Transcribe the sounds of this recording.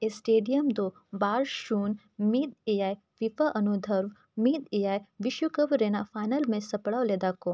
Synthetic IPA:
esʈeːɖijəmd̪oː | baːɾʃuːn | miːd̪eːjaːj | ʋifaʔɐnud̪ʱəɾʋ | miːd̪ejaːjʋɪʃjukəbɾeːnafaːɪnəlmẽsɐpɽaːwleːd̪akoː

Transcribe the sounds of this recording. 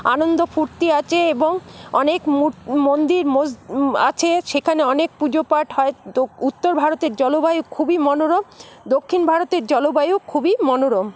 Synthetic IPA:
anond̪ofuɾt̪iat͡ɕʰeeboŋɔ̰nekmumond̪iɾmoa̰t͡ɕʰeʃekʰaneɔnek̚pud͡ʑopaɾʈɦɔeout̪ːoɾbʱaɾot̪eɾd͡ʑɔlobajukʰubimɔnoɾom | d̪okʰːinbʱaɾot̪eɾd͡ʑɔlobajukʰubimɔnoɾom

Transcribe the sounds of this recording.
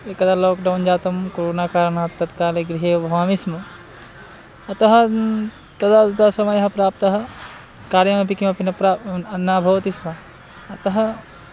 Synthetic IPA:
ekɐt̪alɔːkɖawnd͡ʒaːt̪ɐmkoɾoːnaːkaːɾɳɐɦɐt̪ɐt̪kaːleɡɾiɦeːbʱɐʋaːmismɐ | ɐt̪ɐɦɐ | t̪ɐd̪aːd̪ɐd̪aːsɐmɐjɐɦɐpɾaːp̚t̪ɐɦɐ̆ | kaːɾjɐmɐpikimɐpinɐpɾaɐnaːbʱɐʋɐt̪ismɐ | ɐt̪ɐɦɐ

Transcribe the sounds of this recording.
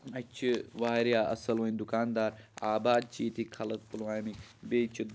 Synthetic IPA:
ɐt͡ʃʰiʋaːɾijaːʔɐ̰sɐlʋɐ̃nʲd̪ukaːnd̪aːɾaːbaːd̪̚t͡ʃiːt̪ʰikʰɐlɐt̪̚pulwaːjmibeːt͡ʃʰud̪

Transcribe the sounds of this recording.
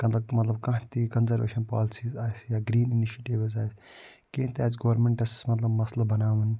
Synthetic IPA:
mɐt̪lɐb̚mɐt̪lɐb̚kãɦt̪ikɐnzɐɾʋḛːʃɐnpa̰ːlsiːzaːjsjaːɡɾiːniniʃeʈiʋzaːjs | kẽːnt̪aːsɡɐʋɐɾmeɳʈɐsmɐt̪lɐbmɐslɐbɐnaːʋɐn

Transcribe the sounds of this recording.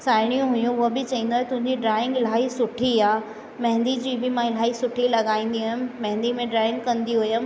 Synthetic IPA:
saːɪɽ̃ijũɦʊjũɦobɪt͡ɕɐɦĩːnd̪oaːɦet̪ʊ̃ɦɪ̃ɲd͡ʑiɖɾaːɪ̃ŋɡɪl̤aːisʊʈʰiaː | mɐ̃ɦɪ̃nd̪id͡ʑiːbɪmãɪl̤aːisʊʈʰilɐɡaːĩːn̆d̪iɦʊjɪmmɐ̃ɦɪ̃nd̪imẽɖɾaːɪ̃ŋɡ̚kɐ̃nd̪iɦʊjəm

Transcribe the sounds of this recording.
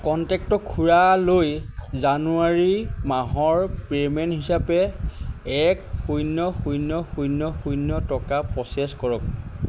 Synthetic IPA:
kɔntɛk̚tɔkʰuɹalojzanuaɹimaɦɔɹpɹemɛnɦisapɛ | ɛkxujnːɔxujnɔxujnːɔxujnːɔtɔkapɹɔseskɔɹɔk̚

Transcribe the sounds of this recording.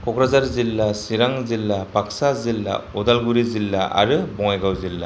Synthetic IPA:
kʰɔkʰɾazaɾzilːasiɾaŋzilːapaksazilːa̰ɔdalɡuɾizilːaʔa̰ɾɯbɔŋajɡawzilːa

